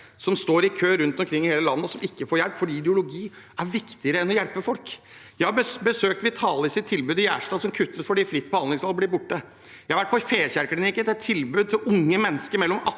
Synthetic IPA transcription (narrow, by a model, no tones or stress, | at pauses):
sɔmst̪oːɾɪkʰøːɾʉnt̪ɔmkʰɾɪŋːheːləlɑnːəɔsɔmɪkːəfoːɾjɛlpfɔɖiːɪd̪jəʊlʊɡiː | æɾʋɪkt̪ɪəɾəɛnɔjɛlpəfɔlk | jæɪhɑbəsøːk̚t̪ʋɪt̪ʰɑːləsɪt̪ʰːɪlbʉːd̪ɪjæːʂʈɑːsɔmkʰʉt̪ːəsfɔɖiːfɾɪt̪ːbɔhɑnd̪lɪŋsɑlblɪːɾbʊʈːə | jæhɑʋæʈ̚pʰɔfeːçæɾklɪnɪːkənt̪ɛt̪ʰːɪlbʉːd̪̚t̪ʰɪlʊŋːəmɛnːəskəɾmɛlːɔmɑ